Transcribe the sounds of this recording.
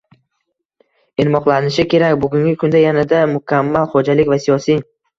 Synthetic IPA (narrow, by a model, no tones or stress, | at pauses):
ɪnmɒqlˠanɪʃɪkʲʰe̞ɾakʲbʊɡʲʊŋɡʲɪkʰʊnd̪ajanad̪amʊkʲʰamːalˠχod͡ʒalɪkʲvasijɒsij